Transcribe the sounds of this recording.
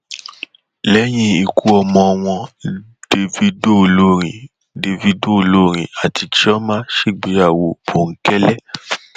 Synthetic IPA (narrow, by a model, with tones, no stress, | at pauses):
lɛ˨˦j̃ĩ˧i˨ku˨˦ɔ˧mɔ̃˧w̃ɔ̃˧ | d̥e˧vi˧do˦˨lo˦ɾ̃ĩ˨ | de˧vi˧do˦˨lo˦˨ɾ̃ĩ˨a˨ti˧ti˦ɔ˦mãː˦ʃe˦˨ɡ͡be˨˦a˦˨wo˨o˨ŋ̩˨˦kɛ˦lɛ˦